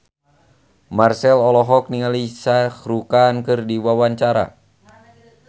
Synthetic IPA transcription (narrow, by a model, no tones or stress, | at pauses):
marsɛlɔlɔɦɔk̚niŋalisaxɾukankɨrdiwawaɲt͡ʃaɾa̰